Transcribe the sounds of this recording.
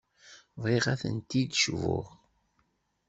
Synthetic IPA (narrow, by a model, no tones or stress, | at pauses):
vʁeʁæθə̰nt̪id̪ʃvʊ̰ʁ